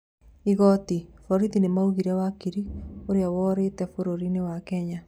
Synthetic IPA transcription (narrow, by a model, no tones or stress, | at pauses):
iɣɔtifɔɾiðinemauɣiɾɛwakiɾioɾeawɔːɾetɛfoɾoɾinewakɛɲa